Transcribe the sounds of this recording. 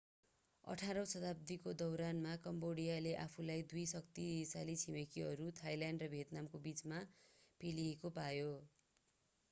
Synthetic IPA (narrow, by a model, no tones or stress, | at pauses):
ʌ̰ʈʰaɾʌsʌt̪ab̚d̪ikod̪ʌwɾanmakʌmboɽijaleʔapʰulajd̪ujsʌkt̪isalit͡sʰimekiɦʌɾut̪ʰajlaɳɖrʌbʱet̪namkobit͡smapʰeliekopajo